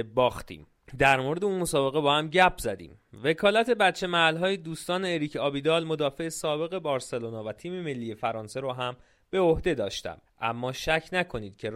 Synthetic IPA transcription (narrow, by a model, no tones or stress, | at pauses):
bɒːxt̪ʰḭːm | d̪æɾmoɾed̪eunmo̞sɒːbe̞ɣe̞bɒːhæmɟæpʰzæd̪ḭːm | ve̞kʰɒːlæt̪ʰe̞bæt̪t͡ʃʰe̞mæælɦɒːjed̪uːst̪ɒːne̞ːɾicʰɒːbiːd̪ɒːlmo̞d̪ɒːfe̞esɒːbe̞ɣe̞bɒːɾse̞lonɒːvæt̪ʰiːmeme̞lːiːje̞fæɾɒːnse̞ɾɔɦæm | b̥e̞ohd̪e̞d̪ɒːʃt̪æ̰mʔæmːɒːʃæcʰnækʰo̞niːd̪̚cʰe̞